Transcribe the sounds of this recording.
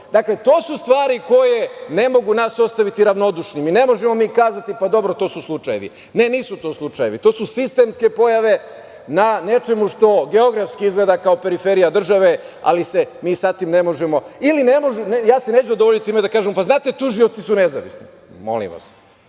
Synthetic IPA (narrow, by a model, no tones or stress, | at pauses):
d̪akle̞t̪o̞ːsust̪ʋaːɾiko̞je̞ne̞mo̞ɡunaso̞st̪aʋit̪iɾaʋno̞d̪uʃnimine̞mo̞ʒemo̞miːkaːzat̪ipad̪o̞bɾo̞t̪o̞ːsuslˠut͡ʃajḛʋḭ | ne̞niːsut̪o̞ːslˠut͡ʃaje̞ʋit̪o̞ːsusist̪e̞ːmske̞po̞jaʋe̞ | nane̞t͡ʃe̞muʃt̪o̞ɡe̞o̞ɡɾafskiizɡleːd̪akao̞pe̞ɾife̞ɾijad̪r̩ʒaʋe̞a̰lisemiːsat̪imne̞mo̞ʒemo̞ilinemo̞ʒɛnjaːseneːt͡ɕuod̪ooʎit̪iimed̪akaːʒemopaznaːt̪et̪uʒio̞t̪sisune̞za̰ʋḭsnḭ | mo̰lḭmʋa̰s